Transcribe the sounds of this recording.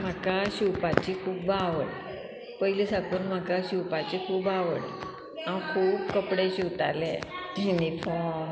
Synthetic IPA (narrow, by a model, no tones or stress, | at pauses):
m̤akaɕupat͡ɕikʰuːbbaʋəɽ | pəɦilisakunm̤akaɕupat͡ɕikʰuːbaʋəɽḛ | ãwkʰuːb̚kəpɽeɕiwt̪a̰lḛinifʰɔ̃